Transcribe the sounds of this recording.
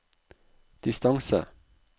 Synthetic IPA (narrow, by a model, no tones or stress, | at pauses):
d̪̥ɪst̪ɑŋsə̰